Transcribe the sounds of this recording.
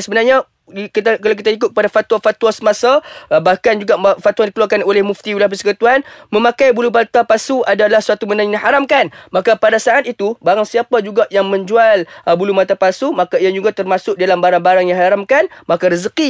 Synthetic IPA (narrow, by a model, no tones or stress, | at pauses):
nsəbənarɲa | ikit̪akalawk̬it̪aik̬ʊt̪̚k̚əpadafat̪wafat̪uasəmasabahkand͡ʒuɡaʔfat̪uaŋndikəluarkanolɛhmuft̪iulahp̬əsə̥kət̪uanmə̃mãkajbulumat̪apasuadalahsuat̪umənaŋɲahaɾamkanmakapadasaʔat̪̚it̪ubaɾaŋsiapad͡ʒuɡaʔjaŋmə̃ɲd͡ʒualbulumat̪apasumakaiad͡ʒuɡat̪ərmãsʊk̚dialambaɾaŋbaɾaŋjaŋhaɾamkanmakaɾəzəki